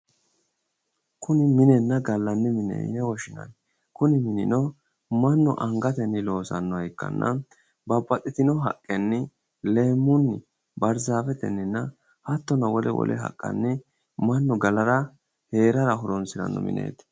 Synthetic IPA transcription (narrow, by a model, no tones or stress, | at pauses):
kʰʊnɪmɪnɛnːɐɡɐlːɐnːɪmɪnɛ̰ɪ̰nɛwɔʃɪnɐ̰n | kʊnɪmɪnɪ̰nɔ | mɐnːʊʔɐŋɡɐt̪ɛnːɪlo̞ːsɐnːɔɐjkːɐ̰nːɐ̰ | bɐbːɐt̪ʼɪt̪ɪnɔɦɐ̰kʼːɛnːɪ | le̞ːmːʊnːɪ | bɐɾzaːfɛt̪ɛnːɪnːɐ | hɐt̪ːɔnɐwɔlɛ̰wɔ̰lʔɛ̰ɦɐ̰kʼːɐ̰nːɪ | mɐnːʊɡɐlɐɾɐ | he̞ːɾɐɾɐɦʊɾɔnsɪɾɐ̰nːɔ̰mɪ̰nʔḛːt̪